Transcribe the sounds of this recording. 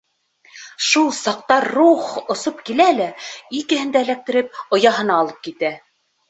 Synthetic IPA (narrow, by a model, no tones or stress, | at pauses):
ʃulˠsɑq̚t̪ɑɾːuχŏsop̚kilælæikɘ̆ɦɘ̆nd̪ælæk̚t̪ɘ̆ɾɘp̚ŏjɑɦɤ̆nɑːlˠɤp̚kit̪æ